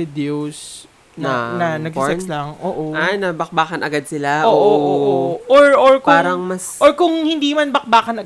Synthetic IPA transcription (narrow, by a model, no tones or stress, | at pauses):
ɪd̪ɛos | nɐnɐnɐɡsɛnlɐŋʔoːʔoʔajnɐbɐk̚baːkɐnʔɐɡad̪̚sɪlaʔooʔoooʔoɹoɹkpaːɾɐŋmɐsʔoɹkʊŋhɪnd̪iːmɐnbɐk̚baːkɐnɐ